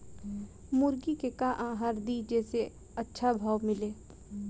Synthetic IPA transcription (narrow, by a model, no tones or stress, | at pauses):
mʊɾɡikekãʔãːɦaːɾd̪id͡ʒɛːse | ɐtːʃʰabʱaːwmɪleː